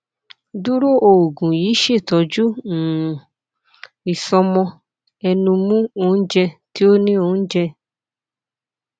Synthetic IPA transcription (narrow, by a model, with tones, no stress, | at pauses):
du˦ɾo˦˨ʔo˨ɡũ˨jiː˨˦ʃe˦˨tɔ˨˦d͡ʒu˦˨ | i˨sɔ˧mɔ̃˧ | ɛ˧nũ˧mũ˦o˦˨n̩˦d͡ʒɛ˧ti˦o˦nĩ˦o˧˨n̩˦d͡ʒɛ˧